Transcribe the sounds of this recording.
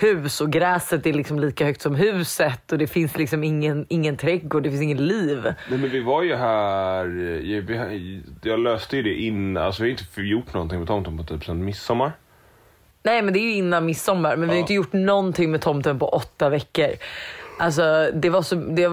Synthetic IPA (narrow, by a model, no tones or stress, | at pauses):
hʉ̟ːsɔɡɾɛːsət̪̚d̪ɛæɭɪksɔmliːkahœkt̪sɔmɦʉ̟ːsət̪ːɔd̪ɛfɪnslɪksɔmɪŋːənɪŋːənt̪ʰɾɛɡːɔːɖɛfɪnsɪŋːət̪liːvnɛmɛnvɪvaɾjɵɦæːɾjvɪhjɑːɡløːst̪əjɵd̪ɛʔɪnːaa̰lsɔvɪhaɾʏɪnt̪ːəjʊʈːnɔnt̪ɪŋmɛt̪ʰɔmt̪ɔnpʰɔt̪ʰyːpsɛnt̪mɪsːɔmːaɾ | nɛːmɛnd̪ɛæːjɵɪnːanmɪsːɔmːaɾmɛnvɪhaɾʏɪt̪̬əjʊʈːnɔnt̪ʰɪŋːmɛt̪ʰɔmt̪ɔnpʰɔʔɔt̪ːavɛkːəɾʔals̬ɔd̪ɛvaʂɔd̪ɛ